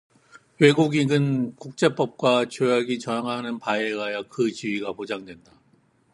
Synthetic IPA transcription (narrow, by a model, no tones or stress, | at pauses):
we̞ɡuɡiɡɯnkuk̚t͡ɕ͈e̞p͈ʌp̚k͈wat͡ɕojaɡit͡ɕʌjaŋɦanɯnpaeɡajakɯt͡ɕiɥiɡapod͡ʑaŋdwe̞nda